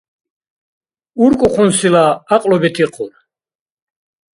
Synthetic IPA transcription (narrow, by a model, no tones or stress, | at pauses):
uɾkʼuχunsilaːqʼlɔbɛt̪ʰiqʰʼṵɾ